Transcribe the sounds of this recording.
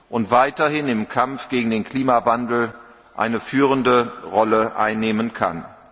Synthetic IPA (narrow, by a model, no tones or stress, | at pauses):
ʔʊntv̥aɪtɐhɪnɪmkʰamfɡ̥eːɡŋ̩deːnkʰl̥iːmavandl̩ | ʔa̰ɪnəfyːʁəndəʁɔləʔa̰ɪnːeːmənkʰa̰n